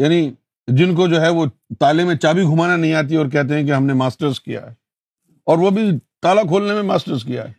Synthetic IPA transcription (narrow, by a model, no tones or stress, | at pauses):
jaːni | d͡ʒɪnkod͡ʒoːɦɛʋot̪aːlemẽt͡ʃaːbiɡʱʊmaːnanɐɦĩaːt̪̬iɔːɾk̬ɛɦt̪̬eɦɛ̃k̬eɦɐmnemaːsʈəɾzkḭja̰ɦɛ | ɔːɾʋobʱit̪aːlakʰoːlnemẽmaːsʈəɾzkija̰ɦɛː